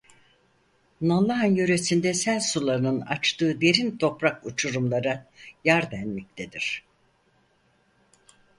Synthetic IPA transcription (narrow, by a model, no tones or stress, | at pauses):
nalˠːaɦanjøɾesind̪ɛsælʲsulˠaɾɯnɯna̰t͡ʃt̪ʰɯːd̪e̞ɾint̪ʰo̞pɾakut͡ʃʰuɾumlˠaɾajaɾd̪ænmɛc̚t̪ʰed̪iɾ̥